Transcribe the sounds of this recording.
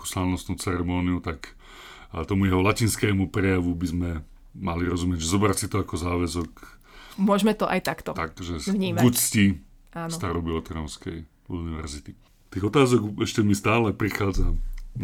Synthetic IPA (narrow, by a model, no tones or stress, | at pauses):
ku̥slaʋnɔst̪nuʊt͡sɛɾɛmɔːniut̪ak | t̪ɔmujɛɦɔlaciːnskɛːmupɾɛjaʋubizmɛ | maliɾɔzumɪɛɟʒɛzɔbɾasit̪ɔakɔzaːʋɛzɔk | mʊɔʒmɛt̪ɔʔajt̪akt̪ɔt̪akʒɛvɲiːmɡucsci | aːsst̪aɾɔbiɔt̪ɾɔnskɛj | uniʋɛ̰ɾzit̪i | t̪iːɣɔt̪aːzɔɡɛʃcɛmist̪aːlɛpɾixaːd͡za